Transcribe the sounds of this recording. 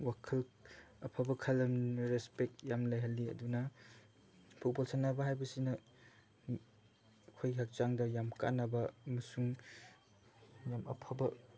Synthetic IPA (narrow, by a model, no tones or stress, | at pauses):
wakʰɐlɐpʰabɐkʰɐlɐmɾespek̚jamlajɦɐlːiɐ̰dunɐ | pʰut̚bolsanːabɐɦajbɐsinɐ | kʰojɡiɦak̚t͡ʃaŋdɐjamka̰nːɐbɐɐmɐsuŋ | jamɐ̰pʰabɐ